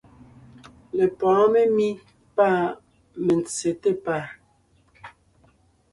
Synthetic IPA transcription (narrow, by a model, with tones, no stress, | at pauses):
le˨pɔ̃ː˨˦me˦mi˦ | paː˦˨ | me˨nt͡se˨te˦paː˦˨